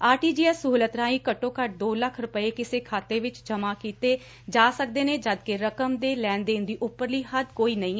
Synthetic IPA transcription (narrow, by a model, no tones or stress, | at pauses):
aːʈiːd͡ʒiːɛsəɦuːlət̪ɾãːĩːkəʈːõːkəʈ̚d̪oːləkʰɾʊpəeːkɪseːkʰaːt̪eːʋɪt͡ʃd͡ʒəmaːkiːt̪eː | d͡ʒaːsəkd̪eːneːd͡ʒəd̪keɾəkəmd̪eːlɛ̃ːnd̪eːnd̪iːʔʊpːəɾliːhəd̪koːiːnəĩː